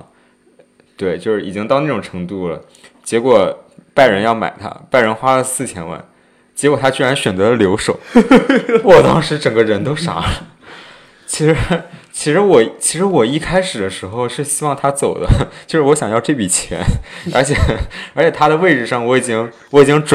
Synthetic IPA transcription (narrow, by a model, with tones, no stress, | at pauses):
t̪we˥˩ɪt͡ɕjo˥˧ʊʂɻ̩˥˩i˨˩t͡ɕi˥ŋt̪ɑ˥˧ʊna˥˩ʈ͡ʂʊ˨˩ŋʈ͡ʂʰɤ˧˥ŋt̪u˥˩lə̰˩ | t͡ɕjɛ˧˥kwɔ˨˩pa˥˩ɪɻə˧˥njɑ˥˩ʊma̰˨˩ɪt̪ʰa̰˥pa˥˩ɪɻə˧˥nxwa˥lə˨sɹ̩˥˩t͡ɕʰjɛ̰˥nwa̰˥˩n | t͡ɕjɛ˧˥kwɔ˨˩t̪ʰa˥t͡ɕy˥ɻa˧˥nɕɥɛ˨˩nt͡sɤ˧˥d̪ə˧ljo˧˥ʊʂo˨˩˦ʊ | wɔ˨˩t̪ɑ˥ŋʂɻ̩˧˥ʈ͡ʂɤ˨˩ŋɡə˦ɻə˧˥nt̪o˥ʊʂa̰˧˥lə˧ | t͡ɕʰi˧˥ʂɻ̩˧˥t͡ɕʰi˧˥ʂɻ̩˧˥wɔ˨˩t͡ɕʰi̥˧˥ʂɻ̩˧˥wɔ˨˩i˥˩kʰa˥ɪʂɻ̩˨˩d̪ə˦ʂɻ̩˧˥xo˥˧ʊʂɻ̩˥˩ɕi˥wɑ˥˩ŋt̪ʰa˥t͡so˨˩ʊd̪ə̰˦t͡ɕjo˥˧ʂɻ̩˥wɔ˧˥ɕjɑ˨˩ŋjɑ˥˧ʊʈ͡ʂɤ˥˩pi˨˩t͡ɕʰjɛ̰˧˥nə˞˧˥t͡ɕʰjɛ˨˩ə˞˧˥t͡ɕʰɛ˨˩t̪ʰa˥d̪ə˨we˥˧ɪʈ͡ʂɻ̩˥˧ʂɑ˥˩ŋwɔ˧˥i˨˩t͡ɕi˥ŋ | wɔ˧˥i˨˩t͡ɕi˥ŋʈ͡ʂ